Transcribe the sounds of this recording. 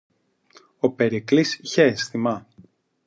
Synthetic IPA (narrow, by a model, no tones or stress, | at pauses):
ope̞ɾiklisiçest̪imɐ